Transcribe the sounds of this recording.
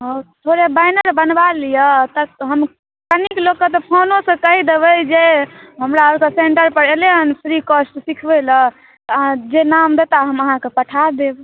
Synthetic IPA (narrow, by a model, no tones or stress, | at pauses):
ɦot̪ʰoɾebajnəɾbənbalijət̪əɦəm | kəniklokːət̪ɔpʰonõsə̃kəɦid̪ebəd͡ʒeɦəmɾaoɾkəseɳʈəɾpəɾeleənpʰɾikosʈsikʰbelə | t̪ɔãd͡ʒenamd̪et̪aɦəməɦãkepəʈʰad̪eb